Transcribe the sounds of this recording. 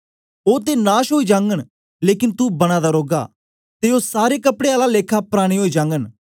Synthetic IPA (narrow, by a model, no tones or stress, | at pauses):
oːt̪̬eːnaːʃɦoːiːd͡ʒãːŋɡəɳ̃ | leːkɪnt̪ubəɽ̃aːd̪aːɾoːɡa̰ː | t̪eoːsaːɾeːkəpɽeːaːlaːleːkʰaːpɾaːɽ̃iːɦoːiːd͡ʒãːŋɡən